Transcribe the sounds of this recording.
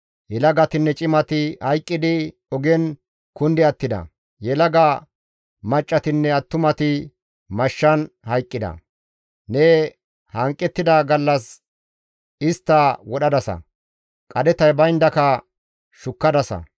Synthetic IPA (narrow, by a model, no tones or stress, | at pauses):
jɛlɐɡɐt̪ɪnːɛt͡ʃʼɪmɐt̪ɪhɐjkʼːɪd̪ɪ | ɔɡɛn | kʊnd̪ɛɐt̪ːɪd̪ɐ̰ | jɛlɐɡa | mɐt͡ʃʼːɐt̪ɪnːɛɐt̪ːʊmɐt̪ɪ | mɐʃːɐn | hɐjkʼːɪd̪ɐ̰ | nɛ | hɐŋkʼːɛt̪ːɪd̪aɡɐlːɐs | ɪst̪ːɐwɔɗɐd̪ɐsɐ̰ | kʼɐd̪ɛt̪ɐjbɐjnd̪ɐkɐ | ʃʊkːɐd̪ɐsɐ̰